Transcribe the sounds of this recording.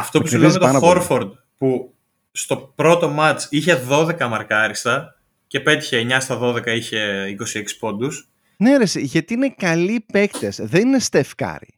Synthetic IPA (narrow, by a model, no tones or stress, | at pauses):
ɐft̪o̞pusilemet̪ofoɾfoɾd̪̚ | pu | st̪o̞pɾo̞t̪o̞mɐt͡ʃiçe̞ðo̞ðe̞kɐmɐɾkɐɾist̪ɐ | ce̞pe̞t̪i̥çe̞ːɲɐst̪ɐðo̞ðe̞kɐiçe̞iko̞sieksi̥po̞nd̪us | ne̞ɾesiʝɐt̪iinekɐlipe̞kt̪esðe̞nine̞st̪e̞fkɐ̰ɾḭ